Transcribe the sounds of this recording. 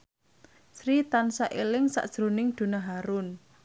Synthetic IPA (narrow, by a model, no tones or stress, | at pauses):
sɾit̪ansaʔelɪŋsa̰ʔd̥ʒ̥ɾonɪŋd̪̥ṳnaɦaɾʊn